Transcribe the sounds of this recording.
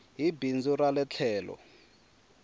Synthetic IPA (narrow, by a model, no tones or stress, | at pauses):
ɦibind͡zuɾalɛt͡ɬʰɛːlɔ̰